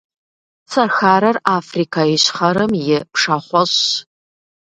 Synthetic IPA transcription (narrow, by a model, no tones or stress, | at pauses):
t͡sʰɐrxaːɾɐraːfrikʰaiɕχɐɾɨmjɪpʂaχʷɔɕ